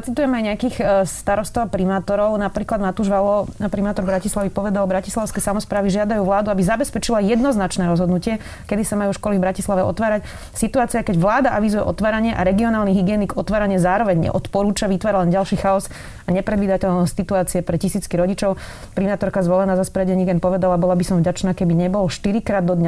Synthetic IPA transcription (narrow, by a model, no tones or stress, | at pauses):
at͡sit̪ujɛmajɲɛakixst̪aɾɔst̪ɔʋpɾimaːt̪ɔɾɔʊnapɾiːklad̪nmat̪uʒʋalɔpɾimaːt̪ɔɾbɾacislaʋipɔʋɛd̪albɾaci̥slaʊskɛjsamɔspɾaːʋiʒɪad̪ajuːʋlaːd̪uabizabɛspɛt͡ʃilajɛd̪nɔznat͡ʃnɛːɾɔzɦɔd̪nucɪɛ | kɛd̪isamajuʃkɔlivbɾacislaʋɛʔɔ̰t̪ʋaːɾac | sit̪uaːt͡siakɛɟʋlaːd̪aʔaʋizujɛʔɔ̰t̪ʋaːɾaɲɪɛʔa̰ɾɛɡiɔnaːlniɦiɡɪɛːniɡɔt̪ʋaːɾaɲɪɛzaːɾɔʋɛɲɲɛ̰ʔɔt̪pɔɾuːt͡ʃaʋit̪ʋaːɾalɛnɟalʃiːxaɔs | aɲɛpɾɛd̪ʋiːd̪acɛʎnɔscsit̪uaːt͡siɛpɾɛcisiːt͡skiɾɔɟit͡ʃɔʊ | pɾimaːt̪ɔɾkazʋɔlɛnaːzaspɾɛɟɛɲiɡɛnpɔʋɛd̪alabɔlabisɔ̃ɱvɟat͡ʃnaːkɛbiɲɛbɔlʃt̪iɾikɾaːd̪ːɔd̪ɲa